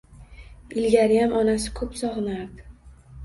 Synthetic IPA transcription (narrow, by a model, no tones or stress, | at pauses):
ɪlɡʲaɾɪjamɒnasɪ̥kʰɵpsɒʁnaɾd̪ɪ